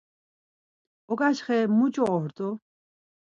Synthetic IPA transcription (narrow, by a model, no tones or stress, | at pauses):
ɔɡaʃχɛmut͡ʃʼɔɔhɾt̪ʼɔ